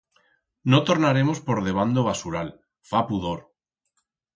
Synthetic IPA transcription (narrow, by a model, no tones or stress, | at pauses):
no̞t̪o̞ɾnaɾe̞mo̞spo̞ɾðe̞β̞and̪oβ̞asuɾal | fapuðoɾ